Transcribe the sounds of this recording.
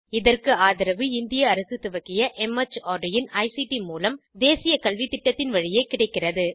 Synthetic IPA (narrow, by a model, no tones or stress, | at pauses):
ɪðɐrkɯaːðɪɾɐʋɯɪnd̪ɪjɐːɾɐsɯt̪ɯʋɐkːɪjɐʔɛmɐt͡ʃːaːɖɪjɪnɐɪsiʈimuːlɐmd̪eːsɪjɐkɐlʋit̪ːɪʈːɐt̪ːɪnʋɐɻɪjeɪkːɪɽɐɪkːɪrɐðɯ